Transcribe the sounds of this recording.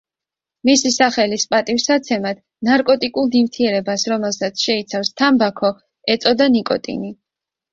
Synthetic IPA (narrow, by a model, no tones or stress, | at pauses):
misisaχɛlispʼat̪ʼifsat̪sʰɛmad̪̥ | naɾkʼɔt̪ʼikʼulˠd̪imt̪ʰiɛɾɛbasɾɔmɛlˠsat̪sʰʃɛit̪sʰafst̪ʰambakʰɔ | ɛt̪sʼɔd̪anikʼɔ̰t̪ʼḭni